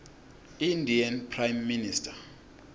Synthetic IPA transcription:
indianpʰrajmːinistʰḁ

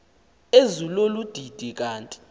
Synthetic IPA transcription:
ezulolud̥ʱid̥ʱik̬ʼaːntʼi̥

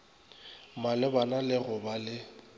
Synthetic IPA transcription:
malɪbanalɪɣʊbalɪ

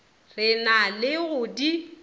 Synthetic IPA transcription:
rɪnalɪɣʊdi

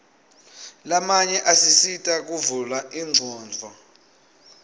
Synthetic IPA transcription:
lamaɲɛʔasisitʼak̬ʼuvulaʔiŋ͡ǀʱɔːnd͡vʱɔ

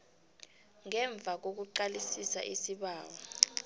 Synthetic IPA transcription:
ŋɛɱb̪vʱak̬ok̬uǃalisisa̰ʔisiɓaːwɔ

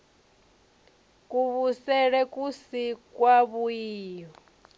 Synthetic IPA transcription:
kʼuβusɛɺɛkʼusikʼwaβuiːɔ

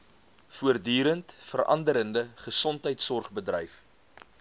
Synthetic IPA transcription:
fuərdyːɾəntfəɾʔɐ̰ndəɾəndəχəsɔntɦəjtsɔrχbədrə̰jf

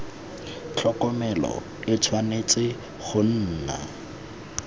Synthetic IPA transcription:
t͡ɬʰɔkʼɔmɛlɔ̰ | ɪt͡sʰwanet͡sʼɪ | χʊn̩ːna̰

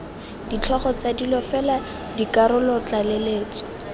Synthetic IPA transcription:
dit͡ɬʰɔχɔt͡sadilɔfɛla | dikaɾʊlɔt͡ɬaleleːt͡sɔ̥

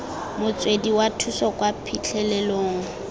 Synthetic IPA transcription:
mʊt͡sʼwediwatʰusɔkʼwapʰit͡ɬʰɛlɛloːŋ̩

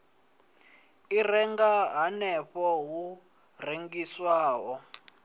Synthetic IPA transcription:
irɛŋɡaɦanɛɸɔɦu | reŋɡiswaːɦɔ

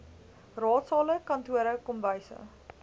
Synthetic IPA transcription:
rɑːtsɑːləkɐntuəɾəkɔmvəjsə̰

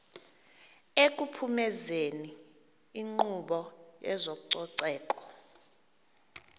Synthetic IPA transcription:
ek̬ʼupʰumɛzeniː | ŋ͡ǃuɓɔjɛ̰zok̬ʼuǀɔǀɛːkʼɔ̥

